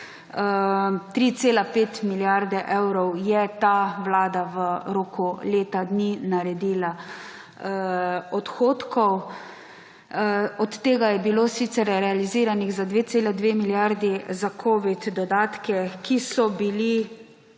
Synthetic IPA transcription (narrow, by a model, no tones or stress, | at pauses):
t̪ɾiːt̪seːlapeːt̪miljaɾd̪ɛʔewɾɔwjɛt̪aʋlaːd̪aʋəɾoːkuleːt̪ad̪ninaɾɛd̪iːla | ɔt̪xoːt̪kʰɔw | ɔt̪ːeːɡajɛbilosit̪sɛɾɾɛaliziːɾaniɣzad̪ʋeːt̪seːlad̪ʋeːmiljaɾd̪izakʰoːʋit̪d̪ɔd̪aːt̪kɛkʰisɔbili